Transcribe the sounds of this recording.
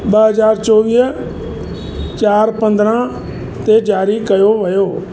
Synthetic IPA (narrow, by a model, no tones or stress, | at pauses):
ɓɐɦɐzaːɾt͡ʃoːʋiːɦ | t͡ʃaːɾpɐ̃nd̪ɾã | t̪ed͡ʒaːɾikɐjoʋɐjoː